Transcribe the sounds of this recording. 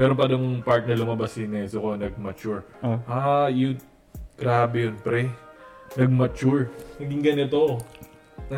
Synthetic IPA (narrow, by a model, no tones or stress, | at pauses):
mɛːɾopɐd̪oŋpaɹt̪̚nɐlʊmɐbɐsɪnɛsokonɐɡ̚mɐt͡ʃuɹʔaːjʊŋ | ɡ̥ɾaːbɛjonpɾɛnɐɡ̚mɐt͡ʃuɹnɐɡɪŋɡɐnɪt̪o | ɐ